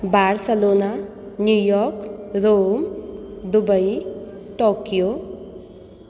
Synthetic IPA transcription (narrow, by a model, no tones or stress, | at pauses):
barselona | njujɔkɾomd̪ubʌjʈokjo